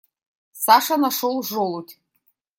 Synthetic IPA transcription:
saʂanaʂolʐolutʲʰʼ

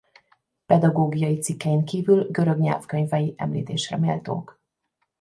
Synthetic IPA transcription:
pɛd̪ɒɡoːɡijɒjit̪sikːɛjiŋkiːvylɡøɾø̞ɡɲɛ̰lfkøɲvɛjiʔɛmlḭːt̪eːʃrɛ̰meːlt̪o̰ːk

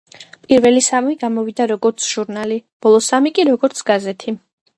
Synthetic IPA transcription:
pʼiɾvɛlisamiɡamɔvid̪aɾɔɡɔɾt̪sʰʒ̥uɾnalib̥ɔlˠɔsamikʼiɾɔɡɔɾt̪sʰɡ̥azɛt̪ʰi

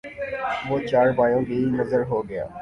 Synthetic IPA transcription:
ʋoːt͡ʃaːɾbaːjõbinɐzəɾɦoːɡɐja̰ː

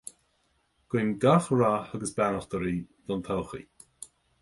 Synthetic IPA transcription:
ɡ̥wɪnɡaxɹahaɡəsbanəxt̪əɾid̪̥ɔnt̪ʰɔlˠxḭ

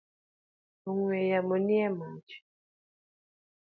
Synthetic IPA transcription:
oŋwɛjamoniɛmat͡ʃ

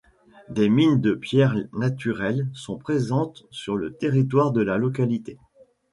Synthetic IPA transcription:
d̪emind̪əpjɛʁnat̪yʁɛlsɔ̃pχezɑ̃t̪syʁlət̪eʁit̪waʁd̪əlalɔkalit̪e

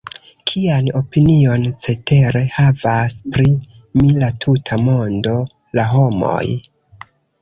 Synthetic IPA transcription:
kʰiano̞pinio̞nt͡se̞te̞ɾe̞havaspɾi | milatʰutʰamo̞ndo̞ | laɦo̞mo̞̰j

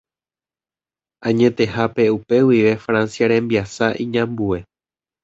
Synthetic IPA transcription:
ãɲẽ̞t̪e̞hape̞upe̞wiʋe̞fɾãnsjaɾẽ̞mbiasaʔĩɲãmbue̞

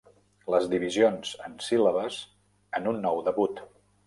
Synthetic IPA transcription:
ləzd̪iβizionzənsiləβəs | ənunːɔwðəβut̪

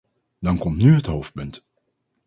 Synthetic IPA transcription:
dɑnkɔmtnyɦətɦowft̚pɵnt

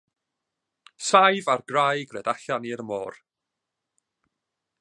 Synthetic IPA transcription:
sajvarɡrajɡrɛːdaɬaniɾmɔːr

